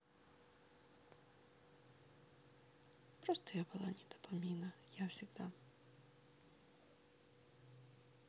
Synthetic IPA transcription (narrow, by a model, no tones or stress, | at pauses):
pɾɔst̪ɔjabʊlˠa̰nʲid̪̥ɔ̥pɔmʲinɐjawsʲiɣd̪a